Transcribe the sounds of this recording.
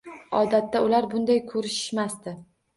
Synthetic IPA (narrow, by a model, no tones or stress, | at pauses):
ɒd̪at̪ːaʊlaɾbʊnd̪ajkʰɵɾɪʃɪ̥ʃmast̪ɪ